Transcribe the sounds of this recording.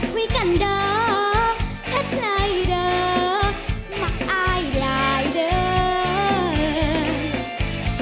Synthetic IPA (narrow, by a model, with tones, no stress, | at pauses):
wi˧˦ka˨˩nɗəː˧˩ | h̪ʰe˦˥t̚na˧˩jɗəː˧ | ma˨˩k̚ʔaː˧jlaː˨˩jɗəː˨˧˦